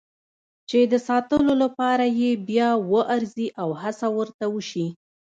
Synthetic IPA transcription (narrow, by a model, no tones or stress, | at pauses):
t͡ʃed̪əsɑt̪əlolapɑɾajebjɑwəʔaɾziʔawhasawəɾt̪awəʃi